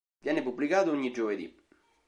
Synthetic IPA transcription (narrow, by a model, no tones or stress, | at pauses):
vjɛnːepubːlikaːðuuɲːid͡ʒoved̪ḭ